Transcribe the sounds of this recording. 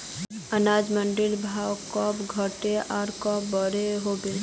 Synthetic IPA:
ənaːd͡ʒmə̃ɳɖɪlbʱaːwkɔːpɡʱəʈeʔaːɾkɔːp̚bəɾeɦoːbe

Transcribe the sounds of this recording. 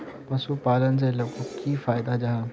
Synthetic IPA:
pɐsupaːlənɪ̆selɐkokiːfaːɪd̪ad͡ʑaɦaː

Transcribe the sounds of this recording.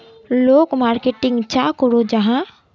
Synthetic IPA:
loːkmaːɾkeːʈɪ̃ŋɡt͡ʃaːkoɾod͡ʒɐɦã

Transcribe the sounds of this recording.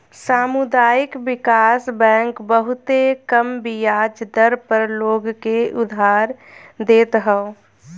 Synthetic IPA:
saːmud̪aːjɪkbɪkaːsbɛ̃ːŋkbəɦʊt̪ekəmbijaːd͡ʒd̪əɾpəɾloːɡkeʔʊd̪ʱaːɾd̪eːt̪ɦəo

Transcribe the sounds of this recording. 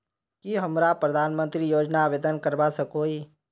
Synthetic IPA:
kiɦɐmɾapɾəd̪ʱaːnmə̃nt̪ɾijoːd͡ʒnaʋeːd̪ənkəɾbasəkoːiː

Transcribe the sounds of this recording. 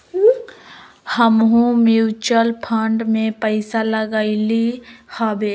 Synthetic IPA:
həmɦũmuːt͡ʃəlpʰəɳɖmẽpəɪsaləɡaɪlihabe

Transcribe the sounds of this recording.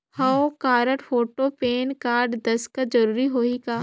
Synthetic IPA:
hɐokaːɾəʈfoːʈopeːnkaːɾɖd̪ɐskad͡ʒɐɾuːɾiɦoːikaː

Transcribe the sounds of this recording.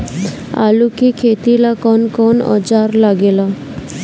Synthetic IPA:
a̰lukikʰet̪ilakɔnkɔnɔ̰d͡ʒaɾlaɡela

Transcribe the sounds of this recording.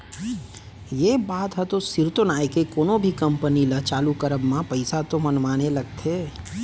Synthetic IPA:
jebaːt̪ɦɛt̪osɪɾt̪onaːekekoːnõbʱikə̃mpənilət͡ʃaːlukəɾəbmãpɐɪsat̪omənʋaːnelɐɡ̚t̪ʰeː

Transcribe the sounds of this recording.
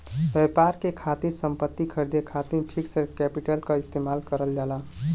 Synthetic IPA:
bɛpaɾkekʰat̪iɾsəmpət̪ːikʰəɾd̪ekʰat̪iɾʈʰiksəɾkɛpiʈəlkəist̪emalkəɾəld͡ʒala

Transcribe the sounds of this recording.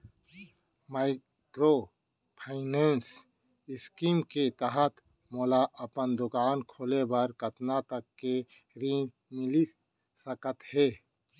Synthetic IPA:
maɪ | kɾo | pʰaɪneːns | ɪskiːmket̪əɦət̪ | moːlaʔəpənd̪ʊkaːnkʰoːlebəɾkət̪nat̪əkːe | ɾi | mɪli | səkət̪heː

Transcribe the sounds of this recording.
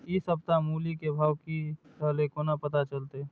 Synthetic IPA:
isəb̚t̪amuːlikebʱaːwkisəːlekoːnapət̪at͡ʃəlt̪e

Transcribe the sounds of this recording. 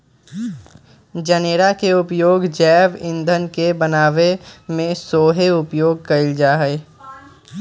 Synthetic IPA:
d͡ʒəneːɾakeʊpjoːɡd͡ʒɛːʋɪ̃nd̪ʱənkebənaːʋemẽsoːɦeʊpjoːɡ̚kɐɪld͡ʒaːɦɛ

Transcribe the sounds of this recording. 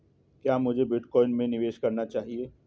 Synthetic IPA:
kjaːmʊd͡ʒʱebɪʈkɔːɪnmẽnɪʋeːʃkɐɾnat͡ʃaːɦieː

